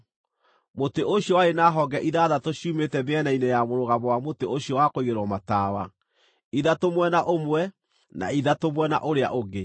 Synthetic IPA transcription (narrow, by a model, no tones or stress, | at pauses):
moteʔoɕjɔwaenaːɦɔɡɛʔiðaðatoɕiuːmetɛmeɛnainejamoɾoɣamβɔwamoteoɕjɔwakoiɣeɾwɔmataːwa | iðatomwɛnaʔomwɛ | na̰iðatomwɛna̰ʔoɾea̰ʔoɡe